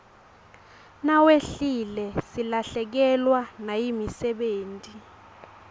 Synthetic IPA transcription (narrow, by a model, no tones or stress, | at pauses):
naweɬilɛsilaɬɛk̬ɛlwanajimisɛɓeːntʼi